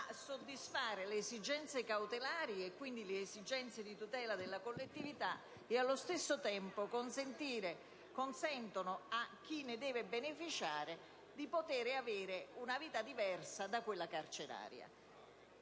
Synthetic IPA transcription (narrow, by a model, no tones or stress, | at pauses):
asːod̪ːisfaːɾɪlːzid͡ʒɛnt̪sekawt̪elaːɾjːkːwind̪ileːzid͡ʒɛnt̪sed̪it̪ut̪ɛːlad̪elːakolːet̪ːivit̪a | ɪalːost̪esːot̪ɛmpokonsent̪iːɾe | konsɛnt̪onoak̟ːinːɪd̪ɛːvɪbenefit͡ʃaːɾɪ | d̪ipot̪ɛːɾɪaveːɾɪunaviːt̪ad̪ivɛrsad̪akːwelːakart͡ʃɪɾa̰ːɾja̰